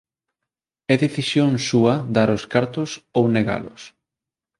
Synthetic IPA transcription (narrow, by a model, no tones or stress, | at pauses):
ɛðeθisjoŋsuɐd̪aɾʊskaɾt̪ʊsowneɣa̰lʊ̰s